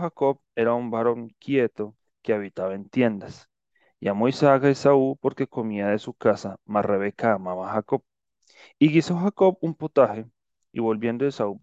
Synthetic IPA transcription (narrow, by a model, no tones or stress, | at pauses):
hako̞βe̞ɾaumbaɾo̞ŋkje̞t̪o̞ | ke̞aβit̪aβae̞nt̪je̞nd̪as | iamo̞isaakaesaupo̞ɾke̞ko̞miaðe̞sukasamare̞βe̞kaːmaβaxako̞β | iɣiso̞xako̞βumpot̪ahe̞ | ḭβo̞lbje̞nd̪oesau